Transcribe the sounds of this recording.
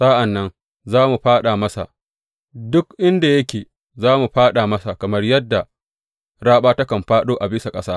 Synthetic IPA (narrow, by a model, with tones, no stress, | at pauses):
saː˦ʔa˨nːɐ˦n | zaː˦mu˨ɸaː˦ɗa˨mɐ˦sa̰˨ | dʊ˦kʔɪ˦nda˨jɐ˦kʲeː˨ | zaː˦mu˨ɸaː˦ɗa˨mɐ˦sa˨kɐ˨mɐ˦rjɐ˦dːa˨ | ɽaː˦ɓaː˦tɐ˦kɐ˨mɸaː˦ɗoː˦ʔa˨bɪ˦sa˨kʼɐ˦saː˦